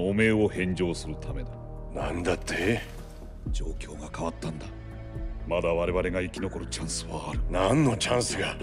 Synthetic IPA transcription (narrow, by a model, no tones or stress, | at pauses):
ome̞ːo̞hẽ̞ɲd͡ʑo̞ːsɨɾɯ̟t̪ʰame̞d̪a | nãnd̪at̪ːe | d͡ʑo̞ːkʲo̞ːɡakaβat̪ːãnd̪a | mad̪aβaɾe̞βaɾe̞ɡaikʲino̞ko̞ɾɯ̟t͡ɕãɰ̃sɨβaːɾɯ̟nãnːo̞t͡ɕãɰ̃sɨɡa